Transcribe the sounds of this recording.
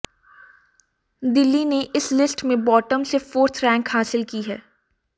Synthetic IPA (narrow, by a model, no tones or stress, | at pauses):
d̪ɪlːineʔɪslɪsʈmẽbɔːʈəmsefoːɾt̪ʰɾɛ̃ːŋkhaːsɪlkiɦɛː